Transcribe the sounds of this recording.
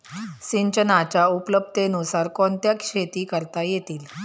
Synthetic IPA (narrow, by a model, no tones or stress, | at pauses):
siɲt͡ɕənat͡ɕaupləb̚t̪enusaɾkɔnt̪jakʂet̪iːkəɾt̪ajet̪iːl